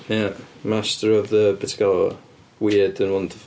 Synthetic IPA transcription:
jamastəɹɔvðəbɛtʰi̥ɡalɔ | wiːədənwɔnd

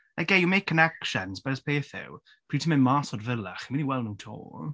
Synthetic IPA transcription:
aɡejumejkʰːənɛkʃənsbɛɾəspʰeːθɪ̰w | pʰr̥iːtʰəmɪnmaːsɔdvəlˠaχimɪniwɛlˠnutʰo̰ː

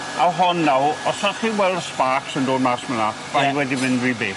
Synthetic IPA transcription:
awɦɔnːawɔsaχiwɛlˠspaksəndoːdmasməna | v̥ajwɛdivɪnriːbeː

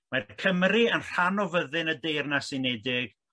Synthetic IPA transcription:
makʰəmriənr̥anɔvəðɨnədejrnasɪnɛdɪɡ̥

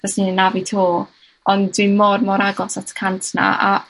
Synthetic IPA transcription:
ɡ̥ɛsninnavitʰuː | ɔndwimɔrmɔɾaɡɔsatʰə̥kʰantʰna̰ʔa

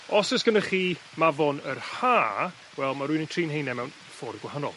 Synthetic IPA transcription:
ɔsəsɡ̥ənəχiː | mavɔnərhaː | wɛlˠmaɾuɨnəntʰriːnɦejnɛmɛwn | fɔːrdɡwahanɔ̰lˠ

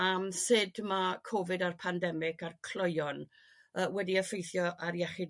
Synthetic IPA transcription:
amsɨdmakʰɔvɨdarpʰandɛmɪɡarkʰl̥ˠɔjɔn | əːwɛdiəfejθjɔʔaɾjɛχɪd

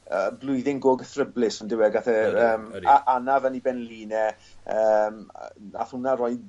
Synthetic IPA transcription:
əblˠʊɨðɪŋɡoːɡəθrəblɪsɔndɪwɛɡaθɛəːmaʔanavənibɛnliːnɛ | əm̰na̰θʊnaɾɔj

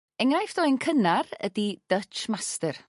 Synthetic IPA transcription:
ɛŋrajfd̥ɔɨnkʰənarə̰did̥ət͡ʃmastər

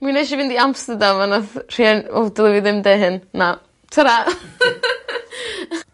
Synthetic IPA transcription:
mwinaʃivɪndiamstədamanaθr̥iano̰wdɔlˠəviðɪmdɛɦɨnna | tʰəɾa

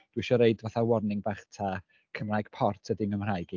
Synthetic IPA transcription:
d̥wiʃɔɾeɨdvaθawɔrnɪŋbaːχtʰa | kʰəmrajɡ̥pʰɔrtʰədɪməmr̥ajɡi

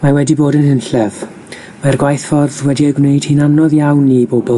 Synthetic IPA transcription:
mawɛdiboːdənhɪnɬɛð | marɡwajθfɔrðwɛdiəɡwnejd̥hinanɔðjawnːibobɔ

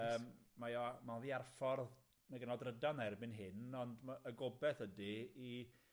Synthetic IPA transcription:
əːmmajɔmaviːarfɔrð | maɡənɔdrədanɛrbɪnɦɪnɔndmaəɡɔbɛθədii

